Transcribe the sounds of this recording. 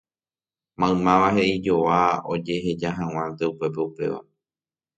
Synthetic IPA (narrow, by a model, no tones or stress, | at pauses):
mãɨ̃mãʋahe̞ʔid͡ʒo̞ʋao̞̰d͡ʒe̞ɦe̞d͡ʒaɦãw̃ãnd̪e̞upe̞p̬e̞upe̞̰ʋa̰